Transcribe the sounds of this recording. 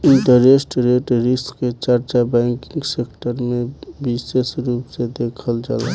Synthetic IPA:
int̪əɾesʈɾeʈɾiskːet͡ʃaɾt͡ʃabɛŋkiŋɡsekʈəɾmebisesɾupsed̪ekʰəld͡ʒa̰l

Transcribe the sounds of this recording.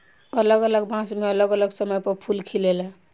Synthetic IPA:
ələɡələɡbãsmeʌləɡələɡsəmʌjpʌpʰulkʰilelə

